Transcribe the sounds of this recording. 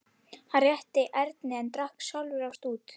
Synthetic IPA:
hanrjɛht̪ɪʔɛɾt̪nɪɛnt̪ɾahksjawlvʏɾawst̪uːt̪

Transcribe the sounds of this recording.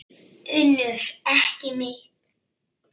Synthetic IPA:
ʏnːʏɾ̥ɛhcɪmɪht̪

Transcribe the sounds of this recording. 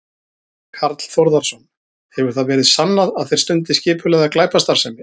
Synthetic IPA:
kʰaɾt̪l̥θoɾðaɾ̥sɔn | hɛvʏɾ̥θaðvɛːɾɪðsanːaðaðθejɾ̥st̪ʏnt̪ɪscɪːpʰʏlɛɣðaklaːjpast̪aɾ̥sɛmɪ

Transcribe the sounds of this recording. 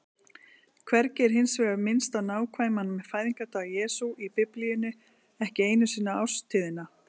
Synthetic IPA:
kʰvɛɾcɛɾ̥ɦɪnsvɛːɣamɪnst̪anaːwkʰvaːjmanmɛðfaːjðiŋkat̪ʰaːjɛːsuʔipɪplijʏnʏ | ɛhcɪeːjnʏsiːnaawst̪ʰɪːðɪna

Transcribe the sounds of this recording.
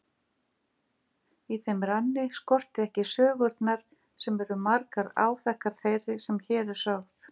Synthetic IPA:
iθejmɾanːɪskɔr̥t̪ɪɛhcɪsœːɣʏɾt̪naɾ̥ | sɛmɛɾʏmaɾkaɾa̰ːwθɛhkːaɾ̥θejɾɪsɛmçɛːðʏ̥sœɣθ

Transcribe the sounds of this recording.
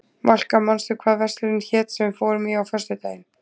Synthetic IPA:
mal̥kamanst̪ʏɾkʰvaːðvɛr̥t̪lɪɾɪnçɛːt̪sɛmvɪfɔːwɾʏmiawfɛrst̪ʏt̪aːjɪn

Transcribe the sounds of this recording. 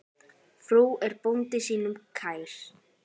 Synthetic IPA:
fɾuːɛɾpont̪ɪsiːnʏmkʰaːjɾ̥

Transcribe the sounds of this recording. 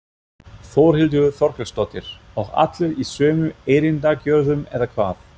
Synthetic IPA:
θoːwɾ̥hɪlt̪̬ʏɣʏθɔɾ̥kɛlst̪ɔt̪ɪɾ̥ | ɔɣa̰t̪lɪɾisœːmʏeːjɾint̪acœɾðʏmɛðakʰvaːθ

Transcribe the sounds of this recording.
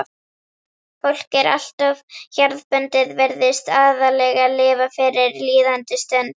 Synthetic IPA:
fowl̥cɛɾʔa̰l̥t̪avçaɾðpœnt̪ɪðvɛɾðɪst̪aːðalɛɣalɪːvafɪɾɪɾliːðant̪ɪst̪ɛn

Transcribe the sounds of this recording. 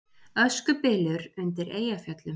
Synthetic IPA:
œskʏpɪːlʏɾʏnt̪ɪɾeːjafjœt̪lʏm

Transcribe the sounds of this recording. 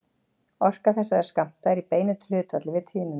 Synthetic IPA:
ɔr̥kaθɛsːaɾɛɾ̥skam̥t̪aɛɾipeːjnɪt̪l̥ʏːt̪vat̪lɪvɪt̪ʰiːnʏ

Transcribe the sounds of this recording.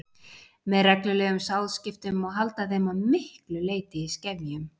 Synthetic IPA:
mɛðrɛklʏlɛːɣʏmsawðscɪft̪ʏmɔɣɦalt̪aθejmavmɪhklʏleːjt̪ɪiscɛvjʏm

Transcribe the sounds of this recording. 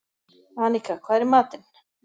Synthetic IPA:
aːnikakʰvaːɾmaːt̪ɪn

